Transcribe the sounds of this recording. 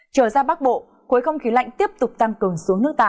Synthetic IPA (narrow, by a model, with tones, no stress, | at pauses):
t͡ɕəː˧˩zaː˧ɓaː˦˥k̚ɓo̰˧˨ | ku˨˦jxə˧wŋ͡mxi˨˦la̰˧˨jŋt̪i˦˥əp̚t̪ʊ˨˩k͡p̚t̪a˧ŋkɨ˨˩əŋsu˨˦əŋnɨ˦˥ək̚t̪a̰ː˧˩